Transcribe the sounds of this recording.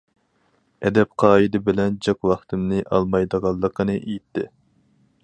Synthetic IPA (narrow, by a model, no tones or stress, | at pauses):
ɛd̪ɛp̚qʰɑːid̪ɪbɪlɛnd͡ʒɑkwɑχt̪ɨmnɨʔɑ̰lˠmɑjd̪əʁɑlˠːəqənɨʔejit̪ʰːɪ